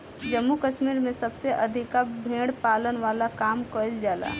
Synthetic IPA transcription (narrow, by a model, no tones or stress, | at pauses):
d͡ʒəmːukəʃmiɾmẽsəbseʔəd̪ʱikabʱẽɽpalənʋalakaːmkəld͡ʒaːla̰